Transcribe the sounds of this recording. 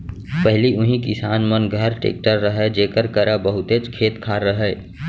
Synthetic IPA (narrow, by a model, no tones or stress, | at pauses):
pəɦliʔʊɦĩkɪsaːnmənɡʱəɾʈḛːk̚ʈəɾːəɦɛd͡ʒeːkəɾkəɾabəɦʊt̪et͡ʃkʰeːt̪kʰaːɾːəɦɛː